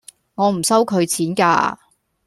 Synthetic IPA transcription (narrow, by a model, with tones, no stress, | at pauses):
ŋɔː˨˧m̩˨˩sɐ˥wkʰɵ˨˧ɥt͡sʰiː˨˥nka̰ː˧